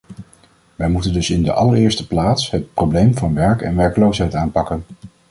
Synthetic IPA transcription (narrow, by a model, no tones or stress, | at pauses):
ʋɛjmutəndɵsɪndə̰ʔɑləɹɪːɹstəplaːtsɦət̚prowblejmvɑnʋɛɹkɛ̰nʋɛɹkəlowsɦɛjtaːnpɑkən